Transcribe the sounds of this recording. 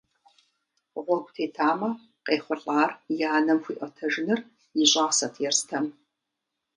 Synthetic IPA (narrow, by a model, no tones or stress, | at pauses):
ʁʷɔɡʷʼtʰeːtʰaːmɐ | qeːχʷʊɬʼaːrjaːnɐmxʷḭːʔʷɔtʰɐʒɪnɨr | jɪɕʼaːʁsɐtʰjɛrstʰɐm